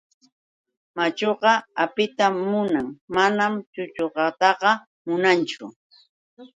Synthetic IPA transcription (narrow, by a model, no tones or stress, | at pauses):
mat͡ʃoɢɑapɪt̪amːʊnaŋmanamt͡ʃʊt͡ʃoɢɑt̪ɑɢɑ | mʊnant͡ʃʊ̰